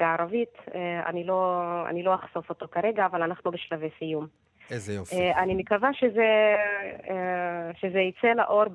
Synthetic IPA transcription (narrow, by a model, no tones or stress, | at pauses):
aaɾavitea̰nilo̞a̰nilo̞aχso̞fo̞to̞kaɾe̞ɡaːvalanaχnubeʃlavejsijum | zjoanimekavaʃeze | ʃezeit͡sela̰ʔo̞ɾb